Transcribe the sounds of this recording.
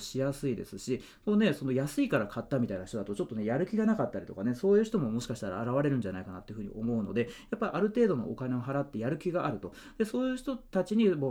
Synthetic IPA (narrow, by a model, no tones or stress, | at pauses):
ɕijasɨid̪e̞̰sɨɕi | soːne̞so̞no̞jasɨikaɾakʰat̪ːamʲit̪ainaçi̥t̪oat̪o̞t͡ɕo̞t̪ːo̞ne̞jaɾɯ̟kʲiɡanakat̪ːaɾʲit̪o̞kane̞so̞ːjɯ̟çi̥t̪o̞mo̞mo̞ɕi̥kaɕi̥t̪aɾa̰ːɾaβaɾe̞ɾɯ̟̃ɲ̟d͡ʑanaikanat̪ːejɯ̟ɯ̟ḭʔo̞mo̞ɯ̟no̞̰d̪e̞japːaɾʲiʔaɾɯ̟t̪e̞ːd̪o̞no̞̰ʔo̰kane̞o̞ɦaɾat̪ːe̞jaɾɯ̟kʲiɡaʔaɾɯ̟t̪o̞ | d̪̥e̞so̞ːjɯ̟ːçi̥t̪o̞t̪at͡ɕiɲ̟imoː